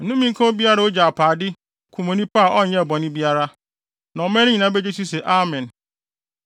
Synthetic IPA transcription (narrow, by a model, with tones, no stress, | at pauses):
n̩˦nũ˦mĩ˦ŋ̩˦kʰã˦o˦bi˦a˦ɾa˦o˦d͡ʑa˨a˨pʰaː˨dɪ˦ | kʰũ˨mõ˨nĩ˦pa˦a˨ʔɔ˦˨ɲɛ̃˦˨bɔ̃˨nɪ̃˦bi˦a˦ɾa˦ | nã˨ɔ˨mɛ̃˦nɪ̃˦ɲĩ˨nã˨˦be˦d͡ʑe˦si˦se˨ʔa˦mɛ̃˨n